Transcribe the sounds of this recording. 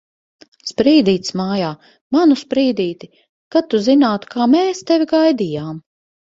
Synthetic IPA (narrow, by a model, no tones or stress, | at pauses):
spɾiːd̪iːt̪smaːjaː | manuspɾiːd̪iːt̪i | kat̪uzinaːt̪u̥kʰaːmɛːst̪ɛvʲiɡajd̪ijaːm